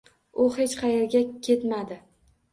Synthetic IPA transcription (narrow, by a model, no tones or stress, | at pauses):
ʊhe̞t͡ʃqʰɑjeɾɡʲakʲʰe̞t̪mad̪ɪ